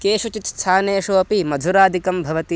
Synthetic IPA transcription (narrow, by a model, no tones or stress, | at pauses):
keːʃut͡ʃit̪st̪ʰaːneːʃoːɐpimɐd̪ʱuɾaːd̪ʱikɐmbʱɐʋɐt̪i